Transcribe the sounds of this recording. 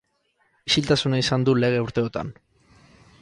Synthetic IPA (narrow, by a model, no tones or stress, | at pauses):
isilt̪asunaisand̪ule̞ɣ̞e̞uɾt̪e̞ot̪a̰n